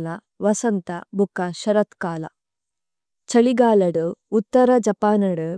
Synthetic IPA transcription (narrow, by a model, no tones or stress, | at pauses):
lɐ | ʋɐsɐnt̪ɐbʱukːɐʃɐɾɐt̪kaːlɐ̰ | t͡ʃɐɭiɡaːlɐɽuut̪ːɐɾɐd͡ʒɐpaːnɐɽu